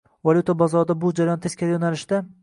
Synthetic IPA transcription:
valʲjut̪ʰabazɒɾd̪abʊd͡ʒaɾajɒnt̪ʰeskʲalajonalɪʃd̪a

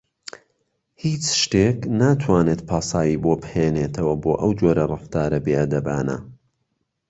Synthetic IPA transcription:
hiːt͡ʃʃt̪eːknaːt̪ʰwaːneːt̪̚pʰaːsɑːjiːboːbheːneːt̪ʰɐwɐboːʔɐwd͡ʒoːɾɐrˤɨft̪aːɾɐbeʔɐd̪ɐbaːna̰

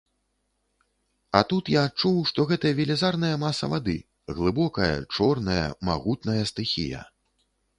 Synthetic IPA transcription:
ɐt̪ut̪jaːt̚t͡ʂuwʂt̪ɔɣɛt̪ɐjɐvʲilʲizarnɐjɐmasɐ̰vad̪ɨ̰ | ɣlˠɨbɔkɐjɐ̰t͡ʂɔrnɐjɐ̰ma̰ɣut̪nɐjɐst̪ɨxʲḭjɐ̰

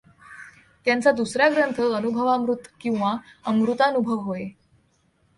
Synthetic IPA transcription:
t̪jant͡sad̪usɾjaɡɾənt̪ʰəənubʱəʋamɾut̪kĩw̃ʋaəmɾut̪aənubʱəʋɦoe

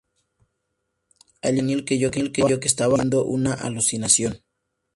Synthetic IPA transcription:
aʎenilkeʝokelkeaokest̪aβaend̪oʔunaʔa̰lusinasjon

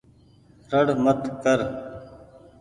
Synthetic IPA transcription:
ɾəɽmət̪kəɾ

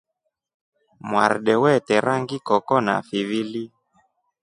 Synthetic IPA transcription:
mwaɾɗɛwɛtɛɾʔaŋɡikɔkɔna̰fivili

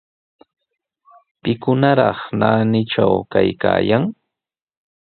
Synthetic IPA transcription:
pɪkʊnaɾɑχnaːnɪʈ͡ʂawkajka̰ːjaŋ

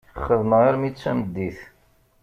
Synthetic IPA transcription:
χːəðməʁəɾmit͡sːæ̰məd̪ːiθ

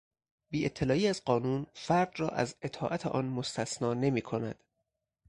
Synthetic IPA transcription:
biːet̪ʰːe̞lɒːiːæzɢɒːnuːnfæɾd̪rɒːʔæ̰ze̞t̪ʰɒːʔæt̪ʰeʔɒːnmost̪ʰæsnɒːne̞miːkʰonæ̰d̪̥

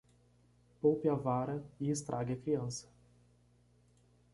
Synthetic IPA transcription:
powpɪavaɾɐɪɪst̪ɾʔa̰ɡɪɐkɾiɐ̃sɐ̥

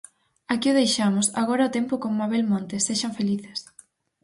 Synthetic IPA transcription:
akiʊð̞ejʃamʊsaɣ̞oɾɐʊt̪empʊkoŋːaβelmõnt̪eseʃaɱfeliθe̥s

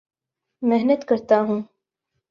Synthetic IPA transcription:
mɪɦnət̪kɐɾt̪aɦũː

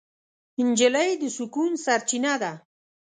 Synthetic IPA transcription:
hɪnd͡ʒɪlajd̪əsʊkunsaɾt͡ʃinad̪a

